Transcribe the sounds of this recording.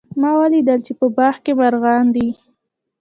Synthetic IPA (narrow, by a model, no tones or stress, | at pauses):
mɑwalid̪əlt͡ʃepəbɑxkemaɾɣɑnd̪i